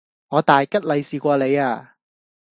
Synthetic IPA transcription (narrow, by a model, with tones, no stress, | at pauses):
ŋɔː˨˧t̪aː˨jkɐ˥t̚lɐ˨˧jsiː˨˧kʷɔː˧le˨˧jaː˧˩